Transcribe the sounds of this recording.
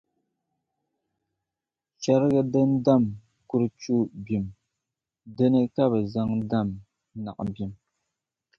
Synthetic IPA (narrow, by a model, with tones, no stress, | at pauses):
t͡ʃa˦ɾɣɨ˦dɨ˦nda˦˨m | ku˦ɾɨ˦t͡ʃu˦bi˨m | dɨ˦nɨ˦ka˦bɨ˨za˦ŋda˦˨m | na̰˨ʔbi˨m